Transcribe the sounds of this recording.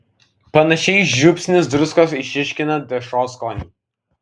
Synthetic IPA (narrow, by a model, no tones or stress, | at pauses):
pɐnɐʃʲɛɪʒʲʊpʲsʲnʲɪsd̪ɾʊskɐsɪʃʲɪʃʲkʲɪnɐd̪ʲɛʃoːskoːnʲiˑ